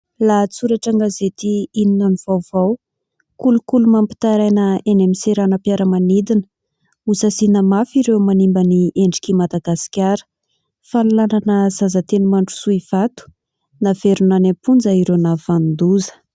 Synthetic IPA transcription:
lat͡suɾaʈ͡ʂaŋɡazet̪iininaniv̥awvaw | kulukulumampi̥t̪aɾajnəenemiseɾanəpjaɾəmanid̪inə̥ | usasinəmafiɾewmanimbənieɳɖ͡ʐi̥kʲimad̪aɡasi̥kʲaɾə̥ | fanulananəzazat̪enimaɳʈ͡ʂu̥suiv̥at̪u̥ | naveɾunanapund͡zaiɾenav̥and̪uzə̥

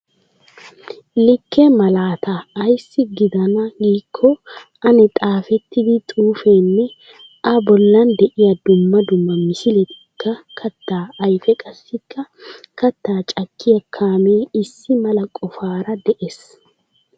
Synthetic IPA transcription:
lɪkʰːɛmɐlaːt̪ʰɐːjsːɪɡɪd̪ɐnɐɡiːkʰːɔʔɐnɛt̪ʼaːfɛt̪ːɪd̪ɪt̪ʼuːfeːnːɛ | ɐbɔlːɐnd̪ɛʔɪjɐd̪ʊmːɐd̪ʊmːɐmɪsɪlɛt̪ɪ̥kːɐkʰɐt̪ːaːɐjfɛkʼɐsːɪkːɐkɐt̪ːaːt͡ʃʼɐkʰːɪjɐkʰːaːmeːɪsːɪmɐlɐkʼɔfaːɾɐd̪ɛʔes

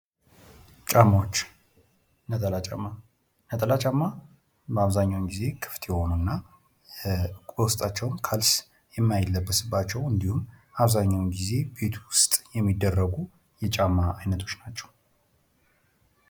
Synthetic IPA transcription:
t͡ʃʼamːawot͡ʃː | nət̪ʼəlat͡ʃʼa̰mːa | nət̪ʼəlat͡ʃʼamːa | bəaβzaɲːawmɡize̞kʰɨ̥ft̪ʰjɛho̞nunːa | kʷʼəwʊst̪ʼat͡ʃːɛwmkʰals | jɛmːajlːəbːəsɨbːat͡ʃːɛwɨnd̪ihumʔaβzaɲːawnɡize̞be̞t̪ʰwʊst̪ʼjɛmːid̪ːərːəɡu | jɛt͡ʃʼamːaajnət̪ʰo̞t͡ʃːnat͡ʃːɛ̥w

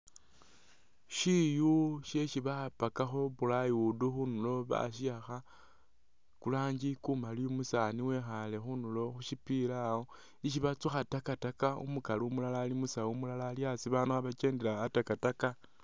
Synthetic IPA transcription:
ʃijuʃe̞ʃiβapakaxo̞βulajuduxunulo̞βa̰ʃiaxa | kulaːɲd͡ʒikumaliomusaniwe̞xale̞xunulo̞xuʃipilao̞ | iʃ̬iβat͡suxatakatakaṵmukalumulalaːlimusaumulalaljasiβanuxaβat͡ʃe̞ːndelaːtakataka

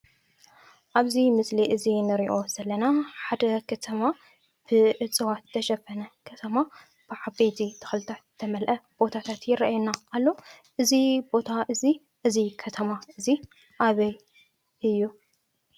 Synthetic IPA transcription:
ʔaβzimɨsliʔɨzinɨɾiʔo̞z̥ɐlːɐnaħad̪ɐkʰɐt̪ʰɐma | b̥ɨʔɨt͡sʼɨwat̪t̪ʰɐʃɐbɐnɐkʰɐt̪ʰɐma | b̥ɨʕabet̪ʰit̪ʰɨ̥xɨlɨt̪ʰat̪t̪ʰɐmɐlʔɐb̥o̞t̪ʰat̪ʰat̪jɪraajunaʔːlːo̞ʔɨzibo̞t̪ʰaʔɨzi | ʔɨzikʰɐt̪ʰɐmaʔɨzi | ʔaβɐj | ʔɨjːu

